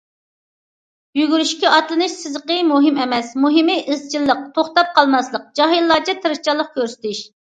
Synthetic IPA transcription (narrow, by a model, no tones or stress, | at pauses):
jyɡʲyɾyʃkʲɛɑt̪lˠɨnɨʃsɪzəqəmuɦɨmɛmɛsmuɦɨmɨʔɪzt͡ʃʰilˠːəq̚t̪ʰoχt̪ɑp̚qʰɑlˠmɑslˠəq̚d͡ʒɑɦilˠːɑːt͡ʃʰɑt̪ʰɨɾɨʃt͡ʃɑlˠːəq̚kʲʰøɾsɪ̥t̪ʰɪʃ